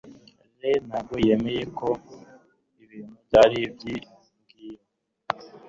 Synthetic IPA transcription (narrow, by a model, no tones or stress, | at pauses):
lenaɡɡojemejekʰo | iβiːn̤̥huvɟaːɾibji | ŋɡiːɾa